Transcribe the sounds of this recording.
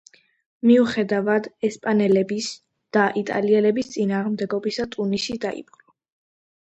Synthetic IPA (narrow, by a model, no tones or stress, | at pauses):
miuχɛd̪avad̪ɛspʼanɛlɛbis | d̪̥aʔit̪ʼa̰liɛlɛbist̪sʼinaːʁmd̪ɛɡɔbisat̪ʼunisid̪aḭpʼχʼlɔ